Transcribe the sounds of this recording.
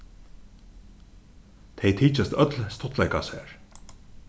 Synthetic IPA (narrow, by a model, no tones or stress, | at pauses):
t̪ʰɛjt̪ʰiːt͡ʃast̪œt̪lst̪ɔt̪ʰlɛjkasɛ̰ːɹ